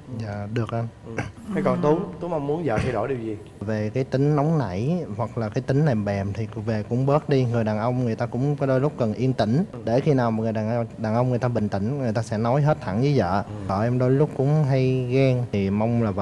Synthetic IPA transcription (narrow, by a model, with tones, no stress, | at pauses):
za̰ː˧˨ɗɨ˨˩ək̚ʔa˧na˨˦jkɔ˨˩nt̪u˨˦ŋ͡mt̪u˨˦ŋ͡mʔə˧wŋ͡mmu˨˦ənzə̰ː˧˨xʰa˧jɗo˧˩ɗi˨˩əwzi˨˩ | ve˨˩kaː˨˦jt̪ï˨˦ŋ̟nɔ˨˦wŋ͡mna̰˧˩jhwa˨˩k̚laː˨˩kaː˨˦jt̪ï˨˦ŋ̟lɛ˨˩mɓɛ˨˩mt̪ʰi˨˩ve˨˩kʊ̰˧˥ŋ͡mɓəː˦˥t̚ɗi˧ŋɨ˨˩əjɗaː˨˩nʔə˧wŋ͡mŋɨ˨˩əjt̪aː˧kʊ̰˧˥ŋ͡mkɔ˨˦ɗo˧jlʊ˦˥k͡p̚kə˨˩nʔi˧ənt̪ï˧˩ŋ̟ɗe˧˩xi˧naː˨˩wmaː˨˩ŋɨ˨˩jɗaː˨˩n˧ɗaː˨˩nʔə˧wŋ͡mŋɨ˨˩əjt̪aː˧ɓï˧˨˩ŋ̟t̪ï˧˩ŋ̟ŋɨ˨˩jt̪aː˧sɛ̰˧˥nɔ˨˦jɦe˦˥t̚t̪ʰa̰˧˩nzəː˨˦jzə̰ː˧˨əː˧˩ʔɛ˧mɗo˧jlʊ˦˥k͡p̚kʊ̰˧˥ŋ͡mɦa˧jɣɛ˧ŋt̪ʰi˨˩ma˧wŋ͡mlaː˨˩v